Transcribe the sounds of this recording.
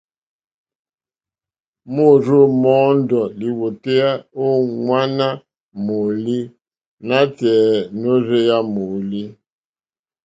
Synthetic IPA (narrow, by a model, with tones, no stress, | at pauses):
mo˦˨ɾo˦mɔ˦n˦dɔ˨li˨wo˨te˦a˦o˦ŋwa˦na˦ | mo˨li˦ | na˦tɛ˨no˦ɾe˦ja˦mo˨li˦